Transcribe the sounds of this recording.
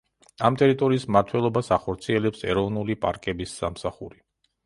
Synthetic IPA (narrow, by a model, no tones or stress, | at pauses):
amt̪ʼɛɾit̪ʼɔɾiːsmaɾt̪ʰwɛlˠɔbasaχɔɾt̪sʰiɛlɛpsɛ̰ɾɔvnulipʼaɾkʼɛbisːamsaχuɾi